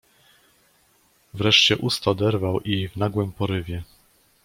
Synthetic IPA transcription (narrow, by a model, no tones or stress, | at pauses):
vɾɛʂt͡ɕɛʔust̪ad̪ɛɾvawʔivnaɡwɘmpɔɾɘvʲjɛ